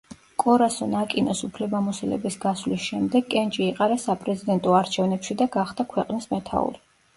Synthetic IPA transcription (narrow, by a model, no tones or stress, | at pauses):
kʼɔɾasɔnakʼinɔsupʰlɛbamɔsɛlɛ̰bisɡaslisʃɛmd̪ɛɡkʼɛnt͡ʃʼiːqʼaɾasapʼɾɛzid̪ɛnt̪ʼɔaɾt͡ʃʰɛvnɛpʃid̪aɡaχd̪̥akʰwɛqʼnismɛt̪ʰa̰ṵɾi